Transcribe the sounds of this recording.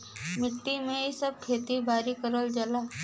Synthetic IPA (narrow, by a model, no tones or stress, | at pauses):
mɪʈːimẽisəb̚kʰet̪ibʱaːɾikəɾəld͡ʒala